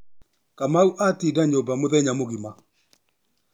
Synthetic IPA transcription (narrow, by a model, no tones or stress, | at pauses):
kamauʔatidaɲobamoðɛɲamoɣima